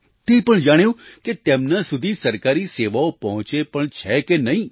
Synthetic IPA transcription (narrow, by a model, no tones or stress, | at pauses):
t̪ẽpəɳd͡ʒaɽ̃jũket̪emnasud̪ʱisəɾkaɾiseʋaopɔɦɔ̃t͡ʃepəɳt͡ʃʰɛkenəɦĩ